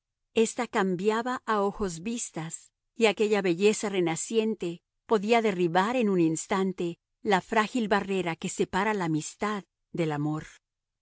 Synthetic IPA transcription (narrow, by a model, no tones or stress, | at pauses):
e̞st̪akambjaβaʔaoxo̞zβist̪as | iake̞ʝaβe̞ʝe̞sare̞nasje̞nt̪e̞ | po̞ðiaðe̞riβaɾe̞nũninst̪ant̪e̞ | lafɾaxilβare̞ɾake̞se̞paɾalaːmist̪að | d̪e̞lamo̞ɾ